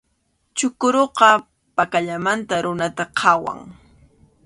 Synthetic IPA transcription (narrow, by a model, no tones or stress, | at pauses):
t͡ʃʊkʊɾoqɑ | pakaʎamant̪aɾʊnat̪aqʰɑwa̰ŋ